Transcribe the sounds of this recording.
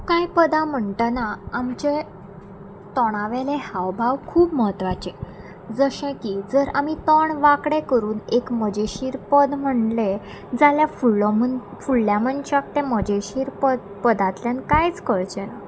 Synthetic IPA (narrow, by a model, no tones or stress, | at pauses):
kajpəd̪am̤əɳʈ̪ənaːmt͡ɕe | t̪ɔɽ̃aʋelehaʋbʱaʋkʰuːpməɦət̪ʋat͡ɕe | d͡zəɕẽkiːd͡zəɾamit̪ɔɳʋakɽekəɾuːnekməd͡ʑeɕiːɾpəd̪m̤əɳle | d͡zaljafuɭːɔmən | fuɭljamənt͡ɕak̚t̪eməd͡ʑeɕiːɾpəd̪pəd̪at̪ljankajt͡skəɭt͡ɕena